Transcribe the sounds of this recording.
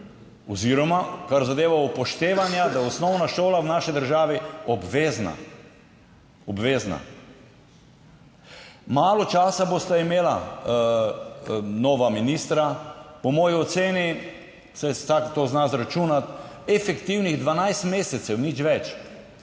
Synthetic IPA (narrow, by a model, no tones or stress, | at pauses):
ɔziɾɔmakaɾzad̪eːʋaupɔʃt̪eːʋanjad̪aɔsnɔwnaʃoːlawnaːʃid̪əɾʒaːʋiɔbʋeːzna̰ | ɔbʋeːzna̰ | maːlɔt͡ʃaːsaboːst̪aimeːla | noːʋaminiːst̪ɾapɔmɔːjiɔt̪seːni | sɛsakt̪oːznasɾat͡ʃuːnat̪ɛfɛkt̪iwniɣd̪ʋanajst̪meːsɛt̪sɛwnit͡ʃʋɛt͡ʃ